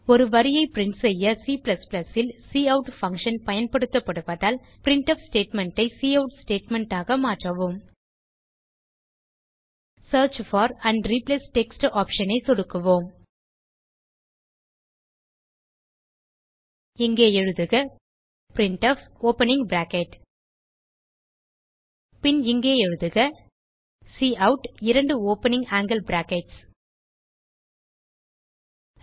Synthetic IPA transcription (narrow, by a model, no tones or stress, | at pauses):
ɔɾɯʋɐɾɪjɐɪpɪɾɪɳʈsɛjːɐsiːplɐsplɐsɪlsiːɐʊʈfɐ̃ŋkʂɐnpɐjɐnpɐɽɯt̪ːɐpːɐɽɯpɐðaːl | pɪɾɪɳʈɐfsʈeːʈmɛɳʈɐɪsiːɐʊʈsʈeːʈmɛɳʈaːɣɐmaːʈrɐʋoːm | sɐːɾt͡ʃfɔːɾɐɳɖɾipleːsʈɛksʈaːpʂɐnɐɪsɔɽɯkːɯʋoːm | ɪŋɡeːɛɻɯðɯɣɐ | pɾɪɳʈɔfoːpɐnɪ̃ŋbɾaːkɛʈ | pɪnɪŋɡeːɛɻɯðɯɣɐ | siːɐʊʈɪɾɐɳɖɯoːpɐnɪ̃ŋɡaːŋɡɐlbɾaːkɛʈs